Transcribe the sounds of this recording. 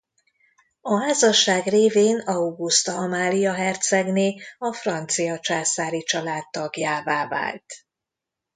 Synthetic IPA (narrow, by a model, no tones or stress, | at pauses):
ɒɦaːzɒʃaːɡreːveːnɒuɡust̪ɒɒmaːlijɒɦɛrt̪sɛɡneːɒfrɒnt̪sijɒt͡ʃaːsaːɾit͡ʃɒlaːt̪ːɒɡjaːvaːva̰ːlt̪